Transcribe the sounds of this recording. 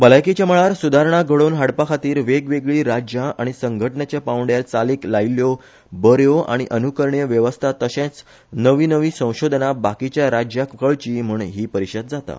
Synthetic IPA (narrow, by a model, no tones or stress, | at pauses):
bəlajkit͡ɕjaməɭaɾsud̪ʱaɾɳ̃aɡʱəɭonɦaɽpakʰat̪iːɾʋeɡʋeɡɭiːɾad͡ʑjaaɽ̃isəŋɡʱəʈəɳjat͡ɕjapãwɳɖjalt͡saliːklajljo | bəɾjoa̰ɽ̃iʔənukəɾɳijəʋjəʋəst̪ʰat̪əɕẽt͡s | nəʋiːnəʋiːsə̃w̃ɕod̪ʱnabakit͡ɕjaɾad͡ʑjakʰəɭt͡ɕiːm̤uːɳɦiːpəɾiɕəd̪̚d͡zat̪a̰